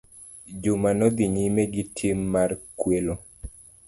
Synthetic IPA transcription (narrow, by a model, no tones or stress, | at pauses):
d͡ʒumanɔd̪iɲimeɡitʰimːarkwelo